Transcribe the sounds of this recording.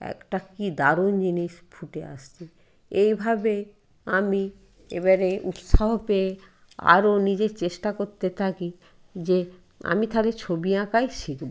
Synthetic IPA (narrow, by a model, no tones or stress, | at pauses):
ɛ̰kʈakid̪aɾond͡ʑiniʃfʰuʈea̰ʃt͡ɕʰi | ejbʱabe | ami | ḛβaɾeut̪ʃaɦopee | a̰ɾonid͡ʑeɾt͡ɕeʃʈakoɾt̪et̪ʰaki | d͡ʑe | a̰mit̪ʰalet͡ɕʰobiakajʃikbo